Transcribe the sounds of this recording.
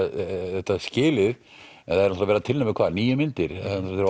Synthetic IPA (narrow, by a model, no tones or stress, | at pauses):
ɛht̪ːascɪːlɪð | ɛθaðɛɾnɔ̥t̪lavɛːɾat̪ʰɪlnɛmɪkʰvaːðniːjʏmɪnt̪ɪɾanɛɾ